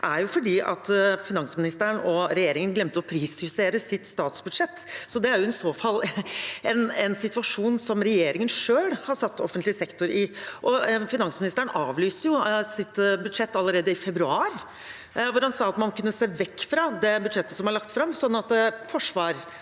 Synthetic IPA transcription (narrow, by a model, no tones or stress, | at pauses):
ʔæɾjʊfɔɖiːʔɑ̰t̪fɪnɑnsmɪnɪst̪əɾɳɔɾɛjeːɾɪŋənɡlɛmt̪əɔpʰɾiːshʉseːɾəsɪt̪st̪ɑːt̪sbʉd̪ʂɛt̪ːsɔd̪ɛæɾjʊɪsoːfɑlːɛnɛnsɪt̪ʉʋɑʂuːnsɔmɾɛjeːɾɪŋənʂøːlhɑsɑt̪ːɔfənt̪lɪsɛkt̪ʊɾɪʔɔfɪnɑnsmɪnɪst̪əɾəɳnɑːʋlyːst̪əjʊsɪt̪bʉd̪ʂɛt̪ːɑlːəɾeːd̪əɪfɛbɾʉɑːɾ | ʋʊɾhɑnsɑːɑt̪mɑnkʉnːəseːʋɛkːfɾɑd̪ɛbʉd̪ʂɛt̪ːəsɔmɑɾɭɑkt̪fɾɑmːsɔnːɑt̪fɔʂʋɑːɾ